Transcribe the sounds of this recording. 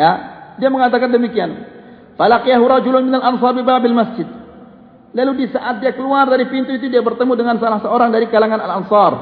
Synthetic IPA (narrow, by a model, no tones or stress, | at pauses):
jadiaməŋat̪̬akandəmikian | falaqijaɦuɾɑd͡ʒulʊnmɪnalʔansɑrbibabalmasd͡ʒɪd̪̚ | laludisaʔat̪̚diakəluardaɾipint̪uit̪udiabərt̪əmudəŋansalahsəoɾaŋdaɾikalaŋanalansɑr